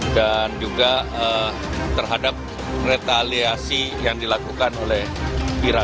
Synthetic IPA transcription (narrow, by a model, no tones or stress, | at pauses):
dand͡ʒuɡaə | t̪ərɦadap̚ | ret̪aliasijaŋdilakukanolɛhiɾa